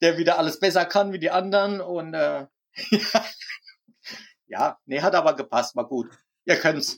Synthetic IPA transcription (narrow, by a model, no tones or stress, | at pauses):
d̥eːɐviːdɐʔaləsb̥ɛsɐkʰanviːdiːʔandɐʁənʊntʔɛː | jaː | ja̰ːnəɦatʔaːbɐɡəpʰast̚maːɡuːt | ʔiːɐkʰœnts